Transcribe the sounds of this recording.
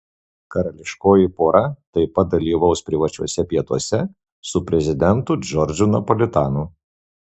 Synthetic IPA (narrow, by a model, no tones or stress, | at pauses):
kɐɾɐlʲɪʃkoːjipoːɾɐt̪ɐɪpɐt̪̚d̪ɐlʲiːʋɐʊspʲɾʲɪʋɐt͡ʃʲuɔsʲɛpʲiɛt̪uɔsʲɛ | sʊpʲɾʲɛzʲɪd̪ʲɛnt̪ʊd͡ʒɔɾʲd͡ʒʲʊnɐpɔlʲɪt̪ɑːnu